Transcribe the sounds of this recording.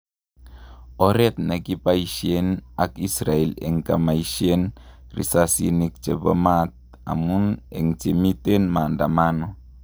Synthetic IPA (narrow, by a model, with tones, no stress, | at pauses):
ɔ˦ɾɛ˦t̪̚ne˨ki˦pa˦i˨ʃie˦na˨ki˦sɾa˨e˨lḛ˨ŋka˨ma˨iʃie˦n | rḭ˨sasi˦nik̚t͡ʃe˨bə˦mat̪̚ | a̰˨mu˦ne˨ŋt͡ʃe˨mi˦te˦nma˨nda˨ma˦no˨